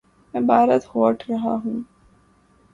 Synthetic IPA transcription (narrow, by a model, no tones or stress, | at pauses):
mɛ̃ːbaːɾət̪hoːʈʰɾɐɦa̰ɦũː